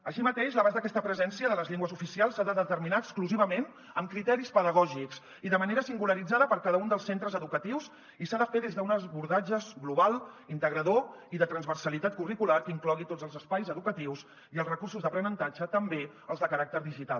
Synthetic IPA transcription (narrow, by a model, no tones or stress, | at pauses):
əʃimət̪eʃləβazðəkɛst̪əpɾəzɛnsiəðələzʎiŋɡwəzufisialˠsːaðəðət̪əɾminaəskluziβəmen | əmkɾit̪ɛɾispəðəɣ̞ɔʒiks | iðəməneɾəsiŋɡuləɾid͡zaðəpəɾkaðəund̪əlˠsent̪ɾəzəðukət̪iws | isaðəfeðezðəunəzβuɾðad͡ʒəzɣluβalˠint̪əɣɾəðoiðət̪ɾənzβərsəlit̪at̪̚kurikulaɾkiŋklɔɣit̪od͡zəlˠzəspajzəðukət̪iwz | iəlˠrəkursuzðəpɾənənt̪ad͡ʒət̪əmbe | əlˠzðəkəɾak̚t̪əɾðiʒit̪alˠ